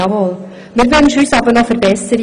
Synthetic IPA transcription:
ɑmoːl | mɪɾɡœnʃyːsɑbənɔfəɾbɛsəɾ

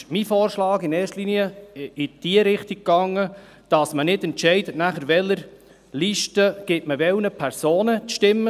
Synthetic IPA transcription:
mifɔːɾʃlɑːɡɪnɛːtliːniəɪd̥iəɾɪχtiɡ̚ɡɑŋːə | d̥ɑsmənɪdɛntt͡ʃɛɪdətnæχəɾʋɛlːəɾ | liʃtəɡ̥ɪtməʋɛwnəpʰæɾsoːnət͡sʃtɪmːə

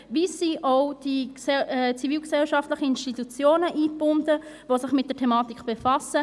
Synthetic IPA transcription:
visiʔoʊd̥iɛɛt͡siviːlksɛlʃɑftlɪχəinʃtitut͡sjoːnəʔiːb̥ʊndə | vosɪχmɪt̚d̥ətʰɛmɑːtikb̥efɑsə

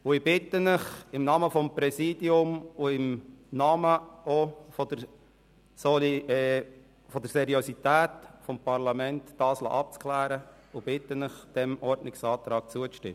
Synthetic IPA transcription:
ʊɪbɪtːənəχɪmnɑːməfɔmpɾɛsiːd̥iʊmʊɪmnɑːməofɔd̪̥ə | sol | fɔd̪əɾsɛɾiosit̪æːtfɔmpɑɾlɑmɛntːɑːslɑ̰ːʔɑp̚t͡sklæːɾə | ʊb̥ɪt̪ənəχd̪̥ɛmɔɾdnɪksɑːt̪ɾɑːk̚t͡suət͡sʃtɪm

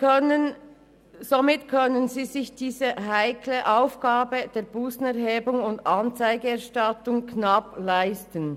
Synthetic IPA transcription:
ə | zomɪtkʰœnənziːzɪçd̥iːzəɦaɪkʰləʔaʊfɡ̥aːbəd̥eːɾb̥uːsn̩ɛʁɦeːbʊŋʊndɑnt͡saɪɡəɛɐʃtɑtʊŋkʰnɑplaɪstən

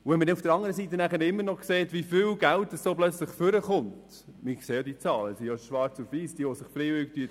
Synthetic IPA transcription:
uʋɛnmədɛufd̥əɾɑŋːəɾəsiːtənæχəɾɪmːəɾnɔkseːtʋifɪlɡ̥ælt̚ːəssoːplœt͡sləχføɾəχʊnt | mɪkseːjod̪iət͡sɑːləəsijoʃʋɑːɾt͡suviːsd̥iəʋɔsɪχfɾeːvʏktyət

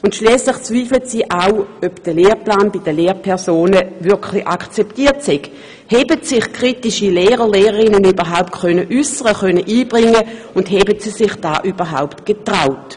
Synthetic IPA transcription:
ʊntʃliːslɪχt͡sv̥iːflətsiːʔaøbd̥əleːʁplaːnbid̥əleːʁpʰɛɐsoːnəvʏɐkʰχliʔakt͡sɛptiːɐtsɛɡ | hɛbətsɪχkʰʁ̥itiʃileːʁəleːʁəʁɪnənyːbəʁɦaʊptkʰχœnəʔysəʁəχœnəʔiːbʁɪŋːə | ʊndɦɛbətsiːsɪχd̥a̰ːʔyːbəɦa̰ʊptɡ̥etʁaʊt

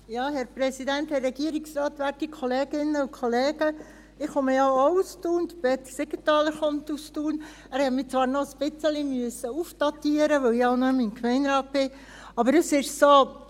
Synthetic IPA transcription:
jɑːɦɛɾpɾɛsidænthɛrːɛɡ̥iəɾiksrɑːt̪ʋæɾtikʰχɔleːɡ̥ɪnːəukʰɔleːɡ̥ə | ɪχɔməjɑoustuːnd̥̪əb̥ɛːt̪əseɡətɑːləɾχɔnt̪ustuːn | æːɾhɛtmit͡sʋɑːɾnɔəspɪt͡səlimyəsəufd̥ɑtiːəɾəʋœwɪɑʊnɔminkmɛɪnɾɑːt̚b̥ɪ | ɑbəɾəsɪʃso

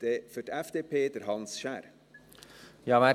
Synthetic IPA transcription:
d̥efødɛfd̥̪eːpʰeːd̪əɾɦɑnsʃæːɾ | jɑʋæ

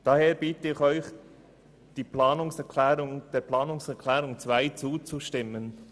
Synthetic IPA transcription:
d̥aheːɾb̥iːtəɪçɔʏç | d̥iːplaːnʊŋsɛɾkʰlɛːɾʊŋd̥eːɾpʰlɑːnʊŋsɛɾkʰlɛːɾʊŋt͡sv̥aɪt͡suːt͡suʃtɪmən

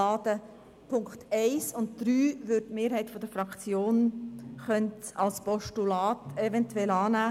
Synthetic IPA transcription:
ɑːdə | pʰʊŋktʰɛɪsʊntd̪̥ɾyːvʏɾttmeːɾɦɛɪtfɔd̥əfɾɑkt͡sjoːnχœntɑlspɔʃtulɑːtɛvɛntwɛlɑːnæː

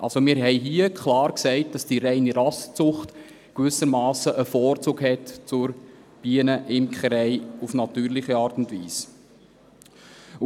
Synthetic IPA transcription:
ʔɑ̰lsomɪːɾɦɛɪɦiəkχlɑːɾksɛɪt̚d̥ɑsd̥iɾɛɪniɾɑst͡sʊχt | kʋʏsəɾmɑːsəʔəfɔːɾt͡suːkhɛtt͡sʊɾ | b̥iənəʔɪmkχəɾɛɪufnɑtyːɾlɪχiɑːrtʊndviːs

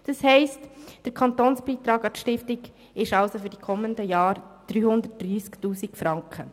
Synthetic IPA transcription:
d̥ɑshɛɪstd̥əɾkʰɑntoːnsb̥iːt̪ɾɑːɡɑtʃtɪftɪɡ | ɪʃɑʊsofyɾd̥ikʰɔmːəndəjɑːɾd̥ɾyːhʊnd̪ət̚d̥riːsktuːsikfɾɑŋkχə

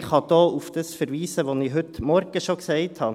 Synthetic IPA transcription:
χɑd̥̪oːufd̪̥əsfɛɾʋiːsəʋoniɦʏt̪mɔɾɡ̥əʃoksɛɪthɑ

